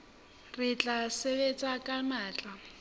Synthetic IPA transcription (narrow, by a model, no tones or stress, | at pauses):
rɪt͡ɬʼaseβet͡sʼakʼamaːt͡ɬʼa